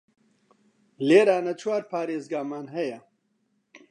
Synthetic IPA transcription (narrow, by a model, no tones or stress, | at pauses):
leːɾaːnɐt͡ʃʰwaːɾpʰaːɾeːzɡaːmaːnɦɛjɐ